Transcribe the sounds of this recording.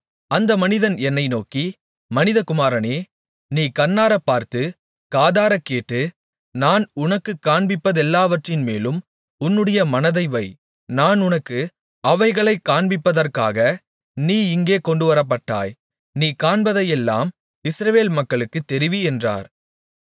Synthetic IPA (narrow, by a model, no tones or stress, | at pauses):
ɐnd̪ɐmɐnɪðɐnɛnːɐɪnoːki | mɐnɪðɐkʊmaːɾɐneː | niːkɐnːaːɾɐpːaːɾt̪ɯ | kaːðaːɾɐkːeːʈːɯ | naːnʊnɐkːɯkːaːɳbɪpːɐðɛlːaːʋɐʈrɪnmeːlɯm | ʊnːɯɽɐjɐmɐnɐðɐɪʋɐɪ | naːnʊnɐkːɯ | ɐʋɐɪɣɐɭɐɪkːaːɳbɪpːɐðɐrkaːɣɐ | niːɪŋɡeːkɔɳɖɯʋɐɾɐp̬ːɐʈːa̰ːj | niːkaːɳbɐðɐjɛlːa̰ːm | ɪsɾɐʋeːlmɐkːɐɭɯkːɯt̪ːɛɾɪʋiɛndra̰ːɾ